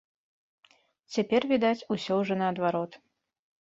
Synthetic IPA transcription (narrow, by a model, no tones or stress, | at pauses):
t͡sʲapʲɛrvʲid̪at͡sʲusʲɔwʐɔnɐːd̪vaɾɔt̪